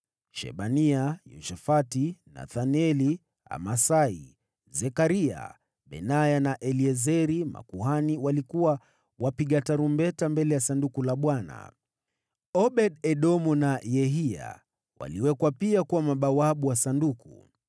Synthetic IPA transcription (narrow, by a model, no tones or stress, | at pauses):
ʃɛ̰ɓaniajṵʃɛfatina̰θaniɛli | a̰masai | zɛkaɾia̰ | ɓɛ̰najanaʔɛliɛzɛɾima̰kuɦaniwalikuwa | wapiɠataɾumbɛtambɛlɛjasandukulaɓwana̰ | ɔɓɛɗɛɗɔmɔnajɛɦia̰ | wa̰liwɛkwapiakuwamaɓawaɓuwasanduku